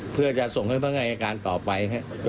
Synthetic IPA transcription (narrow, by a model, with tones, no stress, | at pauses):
pʰɯ˥˩ɐt͡ɕa˨˩ʔso˨˩ŋha˥˩jt̪ʰa˦˥˩ŋʔa˧jʔa˧kaː˧nt̪ɔː˨˩pa˧jkʰa˦˥ | t͡ɕ